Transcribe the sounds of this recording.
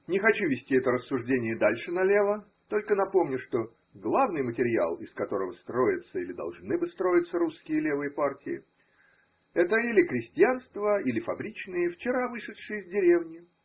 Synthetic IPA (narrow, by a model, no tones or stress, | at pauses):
nʲɪxɐt͡ɕuvʲɪsʲtʲiɛt̪əɾəsːʊʐdʲenʲɪjəd̪alʲʂɨnɐlʲe̞və | t̪o̞lʲkənɐpo̞mnʲʊʂt̪o̞ | ɡlˠavnɨjmətʲɪɾʲɪa̰lˠɪskɐt̪o̞ɾəvəst̪ɾo̞jɪt̪səilʲɪd̪ɐ̰lˠʐnɨbɨst̪ɾo̞jɪt̪səɾuskʲɪjəlʲevɨjəpartʲɪjɪ̰ | ɛt̪əilʲɪkɾʲɪsʲtʲɪanst̪vəilʲɪfɐbɾʲit͡ɕnɨjəft͡ɕɪɾavɨʂɨʂɨjəzʲdʲɪɾʲevnʲɪ